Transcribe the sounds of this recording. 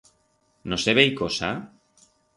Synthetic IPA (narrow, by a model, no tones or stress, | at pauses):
noseβejkosa